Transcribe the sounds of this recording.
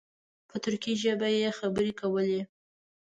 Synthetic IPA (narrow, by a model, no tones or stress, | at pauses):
pət̪ʊɾkiʒəbajexabəɾekawəle